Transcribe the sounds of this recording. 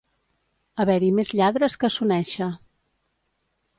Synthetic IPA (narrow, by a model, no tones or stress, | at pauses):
əβɛɾimezʎaðɾəskəsunɛʃə